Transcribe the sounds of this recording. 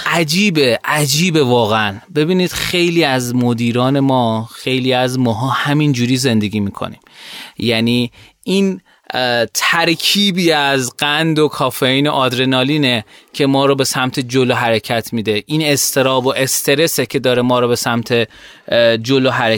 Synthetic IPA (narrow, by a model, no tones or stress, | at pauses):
ʔæd͡ʒiːbeʔæd͡ʒiːbevɒːɣeænbe̞biːniːd̪̥xejliːæzmod̪iːɾɒːne̞mɒːxe̞jliːæzmɒːɦɒːhæmind͡ʒuːɾiːze̞nd̪e̞ɡʲiːmiːkʰo̰nḭːmjæniː | in | t̪ʰæɾkʰiːbiːæzɢænd̪o̞kʰɒːfeiːne̞ʔɒd̪ɾenɒːliːnecʰe̞mɒːɾɔːbe̞sæmt̪ʰe̞d͡ʒoloɦæɾecʰæt̪ʰmiːd̪e̞ʔine̞st̪ʰe̞ɾɒːboʔe̞st̪ʰe̞ɾe̞secʰe̞d̪ɒːɾemɒːɾɔːbe̞sæmt̪ʰe̞ | d͡ʒoloɦæɾe